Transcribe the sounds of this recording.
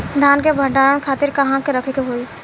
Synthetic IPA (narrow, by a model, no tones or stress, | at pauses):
d̪ʱaːnkebʱə̃ɳɖaːɾəɽ̃kʰaːt̪ɪɾkɐɦãkeɾəkʰekeɦoːiː